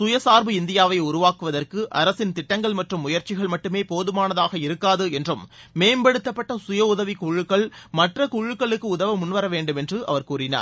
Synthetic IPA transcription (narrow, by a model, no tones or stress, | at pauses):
sʊjɐsaːɾbɯɪnd̪ɪjaːʋɐɪʊɾʊʋaːkɯʋɐðɐrkɯʔɐɾɐsɪnt̪ɪʈːɐŋɡɐɭmɐʈrɯmːʊjɐɾt͡ʃɪɣɐɭmɐʈːɯmeːpoːðɯmaːnɐðaːɣɐɪɾɯkːaːðɯɛndrɯm | meːmbɐɽɯt̪ːɐpːɐʈːɐsʊjɐʊðɐʋɪkuɻɯkːɐɭmɐʈrɐkuɻɯkːɐɭɯkːɯʊðɐʋɐmʊnʋɐɾɐʋeːɳɖɯmɛndrɯʔɐ̰ʋɐɾkuːɾɪna̰ːɾ